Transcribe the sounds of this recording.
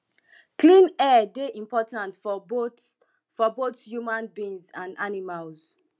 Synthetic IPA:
klĩnɛdeʔĩmpɔtãntfo | fɔbotjumãnbĩnzãndanimalz

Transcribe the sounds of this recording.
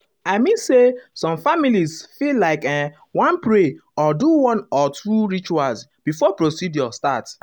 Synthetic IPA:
aɪmĩnsesɔ̃mfamilizfillaɪkɛ̃ | wãnpɹeɔduwɔ̃nɔtɹuɹit͡ʃuals | b̥ifɔpɹosidjɔstat

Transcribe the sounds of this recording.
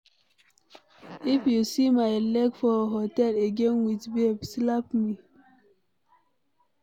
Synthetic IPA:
ifjusimaɪlɛkfɔɦotɛleɡẽnwitbebslapmi

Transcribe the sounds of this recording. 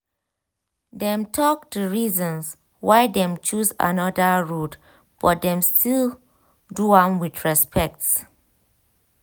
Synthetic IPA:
dɛ̃mtʰɔk̚tuɹizɔ̃ns | wajdɛ̃mt͡ʃusa̰nɔdəɹut | b̥ɔt̚dɛ̃mstʰil | duãmwiθɹɛspʰɛk̚t

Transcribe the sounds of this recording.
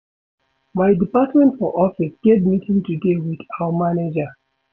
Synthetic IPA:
maɪdipatmɛ̃ntfɔʔɔfisɡ̥etmitʰĩŋtuɡewidawamaned͡ʒa

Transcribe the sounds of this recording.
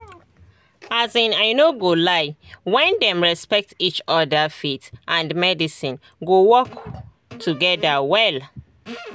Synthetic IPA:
azĩnaɪnoɡolaɪwɛ̃ndɛ̃mɹɛspɛk̚tit͡ʃɔdafitʔãndmɛdisĩn | ɡowɔk | tʰuɡɛdawɛl

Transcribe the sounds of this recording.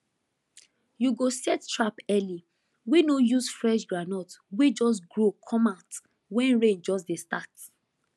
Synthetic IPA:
juɡosɛttɹapɛli | wenojusfɹɛʃɡɹanɔtwed͡ʒɔs̬ɡɹokʰɔmat | wɛ̃nɹẽnd͡ʒɔs̬destat

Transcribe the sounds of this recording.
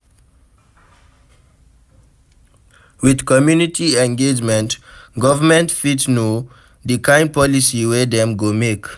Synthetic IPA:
widkɔmjunitʰiɛ̃nɡed͡ʒmɛ̃ntɡɔvəmɛ̃ntfitsno | dikʰãɪ̃n̚pɔlisiwed̪ɛ̃mɡomek

